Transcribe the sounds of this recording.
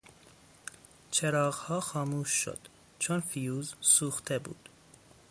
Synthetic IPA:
t͡ʃʰeɾɒːɣhɒːxɒːmuːʃːo̰d̪̥ | t͡ʃʰonfijuːzsuːxt̪ʰebṵːd̪̥

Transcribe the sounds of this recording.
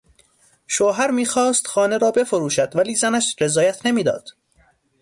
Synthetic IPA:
ʃoːɦæɾmiːxɒːst̪xɒːne̞ɾɒːbe̞foɾuːʃæd̪̥væliːzænæʃɾe̞zɒːjæt̪ʰnemiːd̪ɒ̰ːd̪̥

